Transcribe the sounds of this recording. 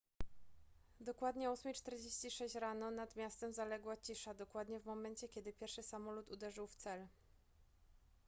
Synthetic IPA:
d̪ɔkwad̪ɲɛusmit͡ʂt̪ɛɾd͡ʑeɕt͡ɕiʂɛɕt͡ɕɾanɔnad̪mʲjast̪ɛmzalɛɡwat͡ɕiʂad̪ɔkwad̪ɲɛvmɔmɛnt͡ɕɛkʲɛd̪ɘpʲjɛɾfʂɘsamɔlut̪ud̪ɛʐɘwft̪sɛl

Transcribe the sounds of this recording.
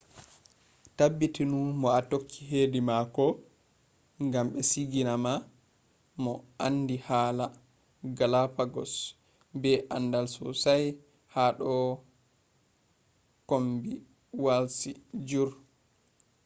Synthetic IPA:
tabːitinumɔatokʰːiɦeːdimakɔ | ŋɡamɓɛsiɡinama | mɔandihaːla | ɡalapaɡɔ̰s | bɛʔandalsɔsaj | haɗɔ | kombi | walsid͡ʒuɾ

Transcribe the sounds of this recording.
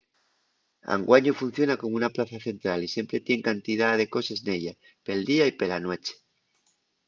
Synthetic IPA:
a̰ŋɡwaɲufun̟θjo̞nako̞munaplaθaθe̞nt̪ɾalisje̞mpɾe̞t̪je̞ŋkant̪ið̞aðe̞ko̞sesneʎa | pe̞ld̪iaipelanwe̞t͡ʃe̥

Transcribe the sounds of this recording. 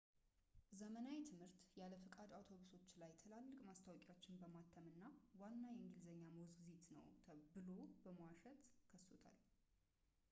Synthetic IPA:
zəmənajt̪ʰɨmhɨɾt̪jaləfɨkʼad̪awt̪ʰo̞βuso̞t͡ʃːlajt̪ʰəlalːɨkʼmast̪ʰawɔkʼwat͡ʃːɪnbəmat̪ʰːəmɨnːawanːajɛɨŋɡɨlzəɲːaməwzɡɨzit̪nə̰wt̪ʰəbɨlo̞bəmwaʃɛt̪kʰəsːot̪ʰa̰l

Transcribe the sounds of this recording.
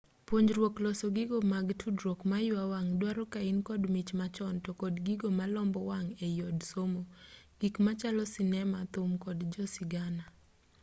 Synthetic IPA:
pwoɲd͡ʒɾwoklɔsɔɡɪɡomaɡtʰudɾokmajʊawaŋdwaɾɔkaɪnkɔdmit͡ʃmat͡ʃɔntɔkɔdɡiɡomalɔmbɔwaŋejɔdsomo | ɡ̥ikmat͡ʃalɔsɪnɛmat̪ʊmkɔdd͡ʒɔsɪɡana

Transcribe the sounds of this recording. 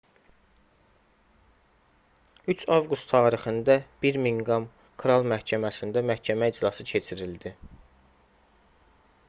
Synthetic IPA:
yt͡ʃʰɑvɡust̪ʰɑːɾixɯnd̪æb̥iɾmiŋɡɑm | kʰɾɑlˠmæhcʰæmæsind̪æmæhcʰæmæid͡ʒlɑsɯcʰe̞t͡ʃʰiɾild̪i

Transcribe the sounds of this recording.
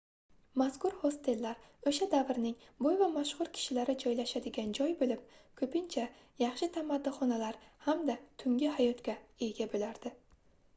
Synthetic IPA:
maskʊɾhost̪ʰe̞lːaɾɵʃad̪avɾnɪŋbojvamaʃχʊɾkʲʰɪ̥ʃɪlaɾɪd͡ʒɒjlaʃad̪ɪɡʲand͡ʒɒjbolɪp̚kʰɵpɪnt͡ʃʰa | jɑχʃɪt̪ʰamad̪ːɪχɒnalaɾhamd̪at̪ʰʊŋʲɪhajɒt̪kʲae̞ɡʲabolaɾd̪̥ɪ

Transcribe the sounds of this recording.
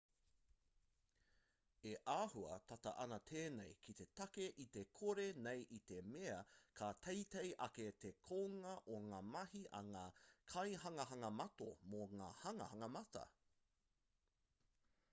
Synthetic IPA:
eʔaːhuɐ̰t̪ʰɐtɐ̰ʔɐnɐt̪ʰeːnejkʰit̪e̞t̪ɐkeʔit̪ekʰoɾenejʔit̪e̞meɐkʰat̪ʰejt̪ejʔɐket̪ekʰoːŋɐʔoŋaːmɐhiʔɐ̰ŋaːkʰɐjɦɐŋɐɦɐŋɐmɐto̰moŋa̰ːhɐŋɐ̰hɐŋɐmɐtɐ̰

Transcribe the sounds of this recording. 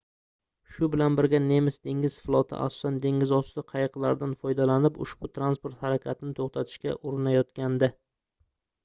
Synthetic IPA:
ʃʊbɪlanbɪɾɡʲane̞mɪsd̪e̞ŋʲɪz̥flˠɒt̪ʰɪ̰ʔa̰sɒ̥sand̪e̞ŋʲɪzɒst̪ɪqʰɑjɨqlˠaɾd̪anfɒjd̪alanɪpʊ̰ʃb̥ʊt̪ʰɾanspoɾt̪haɾakʲʰat̪ʰɪnɪt̪ʰoχt̪ʰat̪ʰɪ̥ʃkʲa̰ʔoɾɪnajɒt̪kʲand̪ɪ

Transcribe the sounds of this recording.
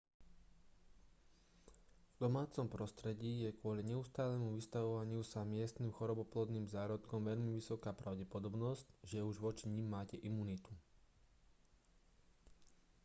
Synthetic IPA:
vd̪ɔmaːt͡sɔmpɾɔst̪ɾɛɟiːjɛkʊɔliɲɛust̪aːlɛːmuʋist̪aʋɔʋaɲɪusamɪɛst̪niːmxɔɾɔbɔplˠɔd̪niːmzaːɾɔt̪kɔmʋɛʎmiʋisɔkaːpɾaʊɟɛpɔd̪ɔbnɔzcʒɛuʒʋɔt͡ʃiɲimːaːcɛʔimuːnit̪u

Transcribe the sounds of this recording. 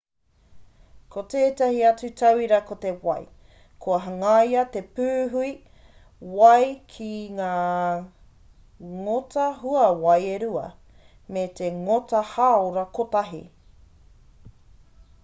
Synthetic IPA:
kʰoteːtɐhiɐt͡sutʰɐwiɾɐkote̞wɐj | kʰoɐɦɐŋɐjɐt̪e̞pʉːɦui | wɐjkʰiŋaː | ŋotʰɐɦuɐwɐjeɾuɐ̰ | meteŋotɐhaːoɾɐkʰotɐɦḭ

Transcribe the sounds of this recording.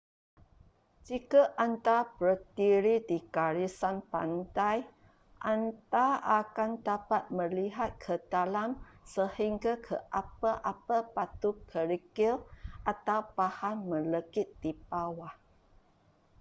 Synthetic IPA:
d͡ʒikaʔant̪apɾət̪iɾidikaɾisanpa̰nd̪aj | ʔant̪aʔakand̪apat̪̚mə̃liɦat̪̚kʰəd̪alamsəhiŋɡakʰəʔapaʔapapat̪ukʰəɾikilʔat̪awbahanmə̃ləkit̪̚d̥ipawa

